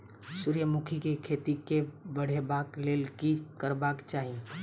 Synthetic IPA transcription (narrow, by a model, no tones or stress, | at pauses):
suɾjəmukʰikekʰet̪ikebəɽ̤ebakleːlkikəɾbakt͡ʃaːɦie